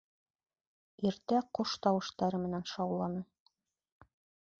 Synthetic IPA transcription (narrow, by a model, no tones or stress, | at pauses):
iɾt̪æqoʃt̪ɑwɤ̆ʃt̪ɑɾɤmɘ̆nænʃɑwlˠːɑnɤ